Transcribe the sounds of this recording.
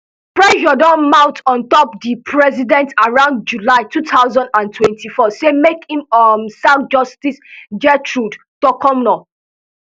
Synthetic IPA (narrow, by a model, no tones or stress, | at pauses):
pɹɛʃɔdɔ̃nmãʊtʰɔ̃ntɔpdipʰɹɛzidɛ̃ntaɹãʊ̃nd̚d͡ʒulaɪtutʰaʊzɔ̃ndãntʰwɛ̃ntʰifɔsemekhĩmɔmsãt̚d͡ʒɔstisd͡ʒɛtʰɹud | tɔkɔ̃mnɔ